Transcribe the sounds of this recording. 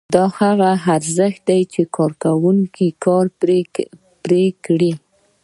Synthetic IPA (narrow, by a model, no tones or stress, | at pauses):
d̪ɑhaɣaaɾzəxt̪̚d̪ajt͡ʃekɑɾkawuŋkikɑɾ | pɾekɽi